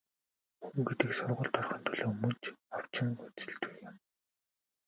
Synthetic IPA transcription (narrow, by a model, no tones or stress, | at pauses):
xuŋɡet̪ɘ̆ksʊrʁʊ̆ɮt̪ɔrχə̆nt̪ʰɵɮoːmɵnt͡ɕaw̥t͡ɕɪ̆ŋʊt͡sɵ̥̆ɮt̪ɘ̥̆xjɪ̆m